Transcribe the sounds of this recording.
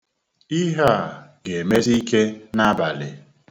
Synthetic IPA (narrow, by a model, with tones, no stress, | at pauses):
i˦ɦa˦˨ɡe˨me˦ɾi˦ke˦na˦ba˨lɪ˨